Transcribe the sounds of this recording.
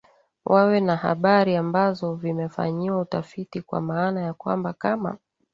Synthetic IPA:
wʔawɛnaha̰ɓaɾiambazɔvimɛfa̰ɲiwautafitikwa̰maːnajakwa̰mbakama̰

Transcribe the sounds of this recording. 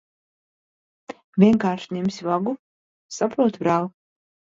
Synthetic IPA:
vʲiɛŋkaːɾʃnʲemsʲvaɡu | sapɾuɔt̪bɾaːlˠ

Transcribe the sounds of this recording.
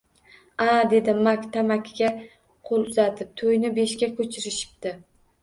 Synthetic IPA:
ad̪e̞d̪ɪmakʲt̪ʰamakʲʰɡʲa | qʰolˠʊzat̪ʰɪp̚t̪ʰojnɪbe̞ʃkʲakʲʰɵt͡ʃʰɪɾɪʃɪ̥p̚t̪ɪ

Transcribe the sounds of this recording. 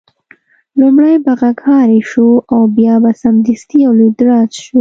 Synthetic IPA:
lumɽajbaɣakhɑɾeʃuawbjɑbasamd̪ist̪iawlud̪ɾɑzʃu

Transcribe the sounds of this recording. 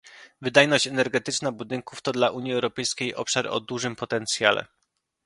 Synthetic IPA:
vɘd̪ajnɔɕt͡ɕɛnɛɾɡɛt̪ɘt͡ʂnabud̪ɘŋkuft̪ɔd̪laʔuɲjiɛwɾɔpɛjskʲejʔɔ̰pʂaɾɔ̰d̪uʐɘmpɔt̪ɛnt̪sʲjalɛ̰

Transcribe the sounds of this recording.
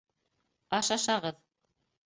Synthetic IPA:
ɑʃɑʃɑʁɤð

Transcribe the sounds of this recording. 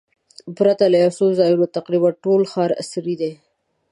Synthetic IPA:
pɾat̪alajasozɑjunot̪aqɾibaʈolxɑɾa̰sɾid̪e

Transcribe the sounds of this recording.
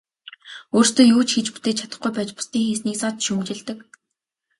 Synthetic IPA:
oːrst̪oːjuːt͡ɕxit͡ɕput̪eːt͡ɕʰat̪ə̆χɡujpæːt͡ɕpʊ̥st̪iːŋxeːsniːkt͡sat͡ɕ̪ʃumt͡ɕɪ̆ɮt̪ɘ̆k

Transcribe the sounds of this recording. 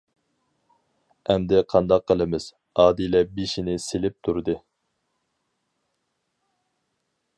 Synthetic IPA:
ɛmd̪ɪqʰɑnd̪ɑq̚ːəlˠɨmɪz̥ | ɑːd̪ilɛbeʃinɪselɪp̚t̪ʰuɾd̪ɨ

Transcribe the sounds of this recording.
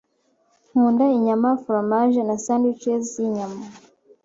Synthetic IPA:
huːndaiɲamafuɾamaʒenasandit͡ʃeziɲama

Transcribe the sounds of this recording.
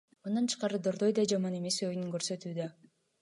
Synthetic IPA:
mɯnd̪ɑnt͡ʃʰɯ̥qɑɾɯd̪oɾd̪ojd̪ɑd͡ʒɑmɑne̞me̞sojnyŋɡøɾsø̞t̪yːd̪ø

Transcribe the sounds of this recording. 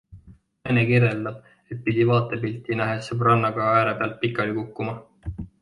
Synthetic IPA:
nɑjnekireld̪ɑb̥̚ | e̞t̪̚pid̪̥ʲivɑːt̪ːˑe̞pilt̪ːinæɦesebrɑnːɑɡ̥ɑæːɾepeɑlt̪̚pikːˑɑlikukːumɑ

